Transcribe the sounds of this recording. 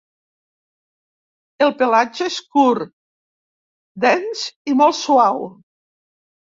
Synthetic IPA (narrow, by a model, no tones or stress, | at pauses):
elˠpelad͡ʒeeskuɾ | d̪ɛnsimɔlˠsuaw